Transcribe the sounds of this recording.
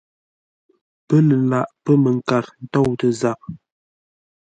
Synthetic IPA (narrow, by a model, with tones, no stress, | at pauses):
pə˦lə˨la˨ʔpə˦mə˨ŋ˨ka˨ɾn̩˦tɔ˦˨wtə˨za˨k̚